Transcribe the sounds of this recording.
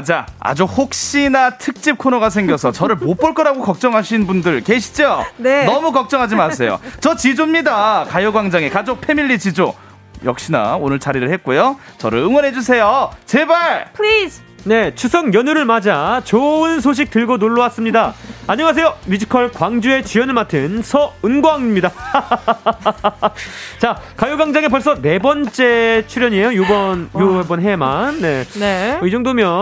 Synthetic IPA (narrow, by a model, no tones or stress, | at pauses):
d͡ʑaa̰d͡ʑuhok̚ɕ͈inatʰɯk̚t͡ɕ͈ip̚kʰonoɡasʰe̞ŋɡjʌsʰʌt͡ɕʌɾɯɭmmop͈oɭk͈ʌɾaɡokʌk̚t͡ɕ͈ʌŋɦaɕʰinbundɯɭke̞ɕʰi̥d͡ʑonenʌmukʌk̚t͡ɕ͈ʌŋɦad͡ʑimasʰe̞jo̰t͡ɕʌt͡ɕid͡ʑomɲidakajoɡwaŋd͡ʑaŋe̞kad͡ʑok̚pʰe̞miʎːit͡ɕid͡ʑo | jʌk̚ɕ͈ina̰onɯɭt͡ɕaɾiɾɯɭhet̚k͈ujo | t͡ɕʌɾɯɭɯŋwʌnɦe̞d͡ʑus̬ʰe̞jot͡ɕebaɭpʰlis | ne̞t͡ɕʰusʰʌŋjʌnuɾɯɭmad͡ʑat͡ɕoɯns̬ʰoɕ̬ʰik̚tɯɭɡonoɭːowas͈ɯmɲidaaɲʌŋas̬ʰejomid͡ʑʰi̥kʰʌɭkwaŋd͡ʑue̞t͡ɕijʌnɯɭmatʰɯnsʰʌɯnɡwaaŋɲimɲida | t͡ɕakajuɡaŋd͡ʑaŋe̞p̬ʌɭs͈ʌne̞bʌnt͡ɕ͈e̞t͡ɕʰuɾjʌɲie̞jojubʌnjubʌnɦemanːe̞neid͡ʑoŋdomjʌ